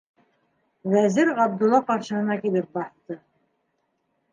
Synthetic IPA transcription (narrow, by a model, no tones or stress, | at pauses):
væzɘɾʁɑb̚d̪ulˠːɑqɑɾʃɤ̆nɤ̆nɑkilɘp̚bɑθt̪ɤ